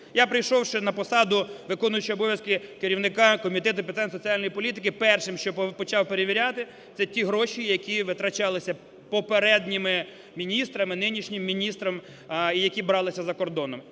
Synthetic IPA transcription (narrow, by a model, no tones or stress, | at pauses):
japɾɪjʃɔwʃɛnɐpɔsɑd̪ʊʋɪkɔnʊjʊt͡ʃiɔbɔʋʲjɐskɪkɪɾʲiwnɪkɑkɔmʲit̪ɛt̪ʊpʲet̪anʲsɔt͡sʲiɑlʲnɔjipɔlʲit̪̬ɪkɪpɛrʃɪmʃt͡ʃɔpɔt͡ʃɑwpeɾeʋʲiɾʲat̪ɪ | t̪sɛtʲiɦɾɔʃijɐkʲiʋɪt̪ɾɐt͡ʃɑlˠɪsʲɐ | pɔpeɾɛd̪ʲnʲɪmɪ | mʲinʲist̪ɾɐmɪnɪnʲiʃnʲɪmːʲinʲist̪ɾɐm | ijɐkʲibɾɑlˠɪsʲɐzɐkɔrd̪ɔnɔm